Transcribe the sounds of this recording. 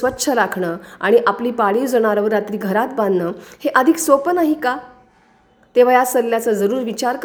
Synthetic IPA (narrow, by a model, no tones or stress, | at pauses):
ʋətːɕʰəɾakʰɳəːaɽ̃iʔapliːpaɭiːd͡zoɽ̃aɾaʋəɾat̪ɾiːɡʱəɾat̪̚bãnd̪nəːheʔəd̪ʱiksopənaɦiːka | t̪eʋ̤ajasəlːjat͡səd͡zəɾuːɾʋit͡ɕaɾk